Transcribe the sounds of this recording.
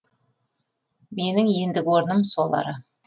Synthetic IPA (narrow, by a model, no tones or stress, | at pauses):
me̞nɪŋje̞nd̪ɪkʲwo̞ɾnəmsolˠɑ̰ɾə